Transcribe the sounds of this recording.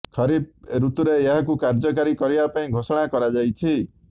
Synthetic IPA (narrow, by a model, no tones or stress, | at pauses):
kʰɔɾib̚ɾut̪uɾeeɦakukaɾd͡ʒɔkaɾikɔɾibapaĩɡʱosɔɽ̃akɔɾad͡ʒajt͡ʃʰi